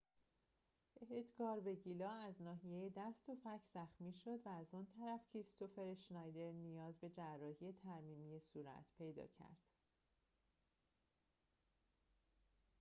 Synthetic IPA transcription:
eɦed̪ɡɒːɾbe̞ɟilɒːæznɒːɦije̞jed̪æst̪o̞fæcʰz̥æxmiːʃo̞d̪væːzɔnt̪ʰæɾæfcʰiɾist̪ʰofe̞ɾeʃnɒjd̪e̞ɾnijɒːzbe̞d͡ʒærːɒːhije̞t̪ʰæɾmiːmijesuːɾæ̰t̪ʰpʰe̞jd̪ɒ̰ːcʰæ̰ɾd̪̥

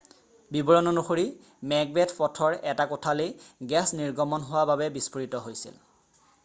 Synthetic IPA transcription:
bibɔɹɔnɔnoxoɹi | mɛɡ̚bɛtʰpɔtʰɔɹɛtakɔtʰalejɡɛsniɹɡɔmɔnɦowababɛbispoɹitɔɦojsḭl

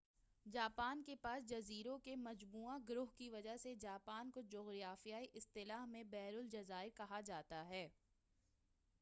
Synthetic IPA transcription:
d͡ʒaːpaːnkepaːsd͡ʒɐziːɾõkemɐd͡ʒmuːaɡʊɾʊɦkiʋɐd͡ʒaɦsed͡ʒaːpaːnkod͡ʒʊɣɾijaːfijaːiʔɪst̪ɪlaːɦmẽbɛːɾʊld͡ʒɐzaːɪɾkɐɦad͡ʒaːt̪aɦɛː

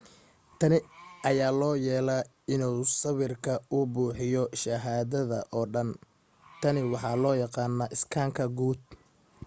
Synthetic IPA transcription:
t̪ʰɐnɪʔɐjaːlɔːjɛːlɐ | ɪnuːsɐβɪrkʰɐʊbuːħɪjɔʃɐɦaːðɐðɐ̰ʔɔːɖɐn | t̪ʰɐnɪwɑħɑːlɔːjɑqɑːnːɐʔɪskʰaːŋkʰɐɡuːd̪̚

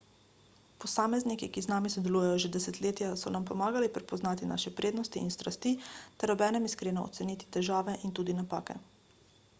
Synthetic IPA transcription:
pɔsaːmɛznikikiznaːmisɔd̪ɛluːjɛjɔʒɛd̪ɛsɛt̪leːt̪jasɔnampɔmaːɡalipɾɛpɔznaːt̪ina̰ːʃɛpɾʔeːd̪nɔst̪iinst̪ɾast̪iːt̪ɛɾɔbɛːnɛmiskɾeːnɔɔ̰t̪sɛniːt̪i̥t̪ɛʒaːʋɛʔint̪uːd̪inapaːkɛ̰

